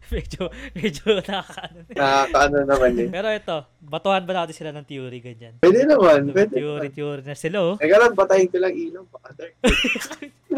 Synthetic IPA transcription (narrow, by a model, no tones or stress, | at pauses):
mɛːd͡ʒomɛd͡ʒonɐkɐʔɐnonakɐʔɐnonɐmɐnjonpɛːɾoʔɛt̪o̞ | bɐt̪ohɐnbɐnaːt̪ɪnsɪlanɐŋt̪juːɾɪɡɐɲanwɛːd̪ɛnɐmanpwɛːd̪ɛuːɾit̪juːɾɪnɐsɪlowɛɡɐlanpɐt̪ɐjɪŋkɪlɐŋʔiːloŋpɐʔɐd̪ɐ